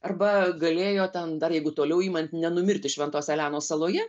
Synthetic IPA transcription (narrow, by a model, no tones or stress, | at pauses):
ɐrbɐɡɐlʲeːjoːt̪ʲɛnd̪ɐrjɛɪɡʊt̪oːlʲɛʊiːmɐnʲt̪ʲnʲɛnʊmʲɪrʲt̪ʲɪʃʲʋʲɛnt̪oːsʲɛlʲæːnoːsɐlˠoːjɛ